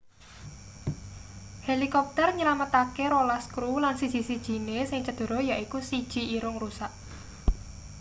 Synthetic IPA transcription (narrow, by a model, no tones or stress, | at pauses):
helikɔp̚t̪ərɲəlamət̪akeɾolaskɾulansi̥sisid̥ʒ̥i̤nesɪŋt͡ʃəd̪̥o̤ɾɔ̤jaʔikusid̥ʒ̥i̤ʔiɾʊŋrusaʔ